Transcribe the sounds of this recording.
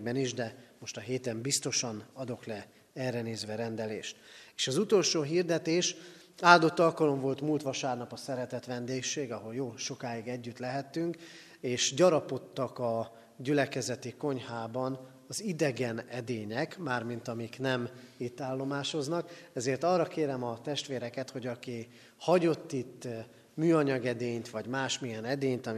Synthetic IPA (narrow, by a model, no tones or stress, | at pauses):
bɛniʒd̪ɛmo̞ʃt̪ɒɦeːt̪ɛmbist̪o̞ʃɒnɒd̪o̞klɛ | ɛrːɛneːzʋɛɾɛnd̪ɛlḛːʃt̪eːʃɒzut̪o̞lʃoːɦiːrd̪ɛt̪eːʃ | aːld̪o̞t̪ːɒlkɒlo̞ɱvo̞lt̪mult̪ʋɒʃaːrnɒpɒsɛɾɛt̪ɛt̪ʋɛnd̪eːkʃeːɡɒɦo̞ljoːlʃo̞kaːiɡɛɟːyt̪lɛɦɛt̪ːyŋk | eːʃɟɒɾɒpo̞t̪ːɒkɒ | ɟylɛkɛzɛt̪iko̞ɲhaːbɒn | ɒzid̪ɛɡɛnɛd̪eːɲɛkmaːrmint̪ɒmiknɛmit̪ːaːlːo̞maːʃo̞znɒkɛzeːrt̪ɒːrːɒkeːɾɛmɒt̪ɛʃt̪ʋeːɾɛkɛt̪ho̞ɟɒki | hɒɟo̞t̪ːit̪ː | myːɒɲɒɡɛd̪eːɲt̪ʋɒɟmaːʃmijɛnɛd̪eːɲt̪ɒ